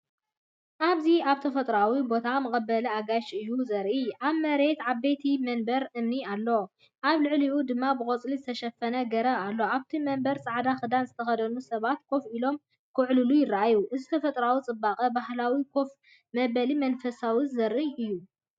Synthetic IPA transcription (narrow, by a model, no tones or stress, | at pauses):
ʔaβziaβt̪ʰɐfɐt̪ʼɾawibo̞t̪ʰamɨkʼɐbːɐlɐaɡaʃɨjːuzɐɾʔiʔaβmɐɾe̞t̪ʕaβːet̪ʰimɐnbɐɾʔɨmnialːo | ʔaβlɨʕliʔud̪ɨmːabɨkʼɐt͡sʼlizɨt̪ʰɐʃɐfɐnɐɡɐɾɐalːoaβt̪ʰimɐnbɐɾt͡sʼaʕd̪axɨd̪anzɨt̪ʰɐxɐd̪ɐnusɐβat̪kʰo̞filo̞m | kʰɨʕlulujɪrːaʔajuʔɨzit̪ʰɐfɐt̪ʼɾawit͡sʼɨbːaqʼɐbahlawikʰof | mɐbɐlimɐnfɐsawizɐɾʔiʔɨjːu